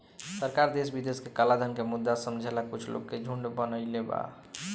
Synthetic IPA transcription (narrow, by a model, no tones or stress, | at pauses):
səɾkaɾd̪esbid̪eskekəlad̪ʱənkemud̪ːasəmd͡ʒʱelakut͡ʃʰlo̰ɡked͡ʒʱuɳɖbənəjleba̰